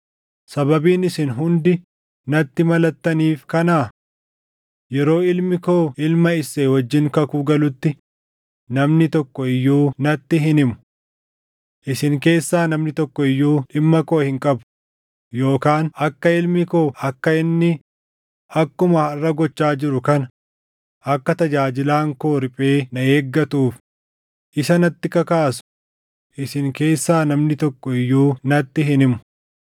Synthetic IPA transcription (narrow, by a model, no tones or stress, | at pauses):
sɐbɐbiːnɪsɪnɦʊnd̪ɪ | nɐt̪ːɪmɐlɐt̪ːɐniːfkɐnaː | jɛɾo̞ːɪlmɪkoːɪlmɐɪsːeːwɔd͡ʒːɪŋkɐkuːɡɐlʊt̪ːɪ | nɐmnɪt̪ɔkːɔɪjːuːnɐt̪ːɪɦɪnɪmʊ̥ | ʔɪsɪŋke̞ːsːaːnɐmnɪt̪ɔkːɔɪjːuːᶑɪmːɐkoːhɪŋkʼɐbʊ̥ | jo̞ːkaːnɐkːɐɪlmɪkoːɐkːɐɪnːɪ | ɐkːʊmɐɐrːɐɡɔt͡ʃːaːd͡ʒɪɾʊkɐnɐ | ɐkːɐt̪ɐd͡ʒaːd͡ʒɪlaːŋko̞ːɾɪpʼeːnɐeːɡːɐt̪uːf | ʔɪsɐnɐt̪ːɪkɐkaːsʊ̥ | ʔɪsɪŋke̞ːsːaːnɐmnɪt̪ɔkːɔɪjːuːnɐt̪ːɪɦɪnɪmʊ̥